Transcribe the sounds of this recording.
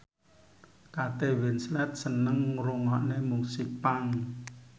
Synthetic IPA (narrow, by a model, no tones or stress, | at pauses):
kat̪ewɪnslɛt̪̚sənəŋɾoŋɔʔnemuŋsik̚paŋ